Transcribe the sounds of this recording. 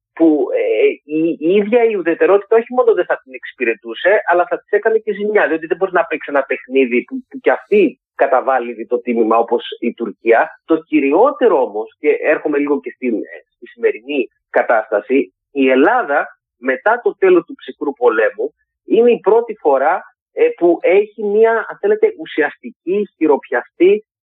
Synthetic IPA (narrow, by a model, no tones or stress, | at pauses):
pueiiðʝɐiuðe̞t̪e̞ɾo̞t̪i̥t̪ɐo̞çimo̞noðeθɐt̪ine̞ksi̥piɾe̞t̪use̞ʔɐlɐθɐt̪i̥se̞kɐne̞ceziɲɐðio̞t̪iðe̞bo̞ɾinɐpekse̞nɐpe̞xniðipupucɐft̪i | kɐt̪ɐvɐliiðit̪o̞t̪imimɐo̞po̞sit̪uɾciɐt̪o̞ciɾio̞t̪e̞ɾoo̞mo̞sce̞ʔe̞ɾxome̞liɣo̞ce̞st̪inst̪isime̞ɾini | kɐt̪ɐst̪ɐsi | ie̞lɐðɐ | me̞t̪ɐt̪o̞t̪e̞lo̞st̪upsixɾupo̞le̞mu | ine̞ipɾo̞t̪ifo̞ɾɐ | puʔe̞çimiɐɐnθe̞le̞t̪e̞ʔusiɐst̪iciçiɾo̞pçɐst̪i